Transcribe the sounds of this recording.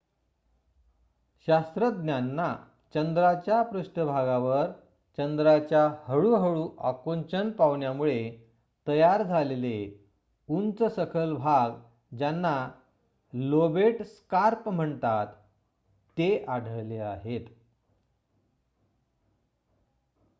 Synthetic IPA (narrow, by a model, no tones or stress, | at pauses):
ɕast̪ɾəd̪njanːa | t͡ɕənd̪ɾat͡ɕjapɾuɕʈəbʱaɡaʋəɾ | t͡ɕənd̪ɾat͡ɕjahəɭuɦəɭuːʔakont͡ɕənpaʋɳjamuɭe | t̪əjaɾd͡zʱalele | unt͡səsəkʰəlbʱaɡ | d͡ʑanːa | lobeʈskaɾpm̤əɳt̪at̪ː | eʔaɽʱəɭleaɦet̪